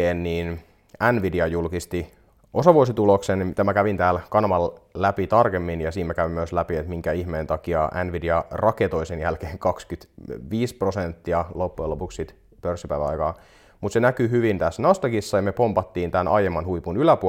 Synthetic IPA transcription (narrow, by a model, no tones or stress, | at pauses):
eːnniːn | ænʋidiɑjulkist̪i | osɑʋuosit̪uloksenmit̪æmækæʋint̪æːlkɑnmɑllæpit̪ɑrkemːinjɑsiːmekæʋimːøslæpiet̪miŋkæihmeːnt̪ɑkiɑʔæ̰nʋidiɑrɑket̪o̞isenjælkeːŋkɑkskyt̪ʋiːsprosent̪ːiɑlopːuelopukssit̪ | pørsːipæiʋæ̰ɑ̰jkɑː | mut̪senækyhyʋint̪æsnɑst̪ɑkisːɑjɑmepompɑt̪ːiːnt̪ænʔɑ̰ijemːɑnhuipunylæpu